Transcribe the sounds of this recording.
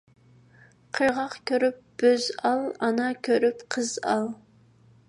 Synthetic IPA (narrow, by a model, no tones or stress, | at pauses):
qʰəɾʁɑqkʲʰøɾyp̚b̥øzɑlˠɑnɑkʲʰøɾypqʰəz̥ɑlˠ